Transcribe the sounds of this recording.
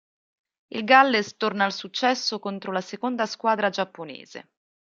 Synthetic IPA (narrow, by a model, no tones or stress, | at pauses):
ilɡalːest̪ornaːlsut͡ʃːɛsːokont̪ɾolasekond̪askwaːd̪ɾad͡ʒapːonḛːz̥ḛ